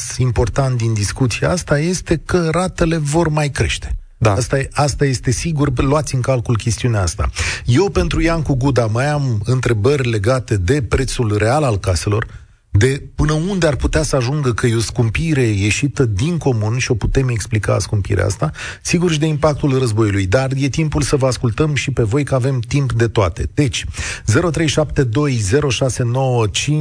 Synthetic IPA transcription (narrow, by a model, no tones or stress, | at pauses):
simpo̞rt̪ant̪̚d̪ind̪iskut̪siaast̪aje̞st̪e̞kəɾat̪e̞le̞vo̞rmajkɾe̞̰ʃt̪e̥ | d̪aast̪aast̪aje̞st̪e̞siɡurloat̪sʲɨŋkalkulkʲe̞st̪iuneaast̪a̰je̞wpe̞nt̪ɾujaŋkuɡud̪amajamɨnt̪ɾe̞bərʲle̞ɡat̪e̞d̪e̞pɾe̞t̪sulre̞alalkase̞lo̞̰r | d̪e̞pɨnəund̪e̞arput̪easəaʒuŋɡəkəjoskumpiɾe̞je̞ʃit̪əd̪iŋko̞munʃio̞put̪e̞me̞ksplika̰skumpḭɾḛa̰st̪asiɡurʃid̪eimpak̚t̪ulrəzbo̞julujd̪arje̞t̪impulsəvəaskult̪əmʃipe̞vo̞jkəave̞mt̪impd̪e̞t̪oat̪e̞̰d̪̥e̞t͡ʃʲze̞ɾo̞t̪ɾe̞jʃapt̪e̞d̪o̞jze̞ɾo̞ʃase̞no̞wət͡ʃi